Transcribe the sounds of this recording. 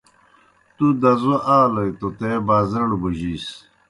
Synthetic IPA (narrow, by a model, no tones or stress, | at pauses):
t̪ud̪ɐzuʔaːlɐjt̪ot̪ebaːzɐɳubuʑis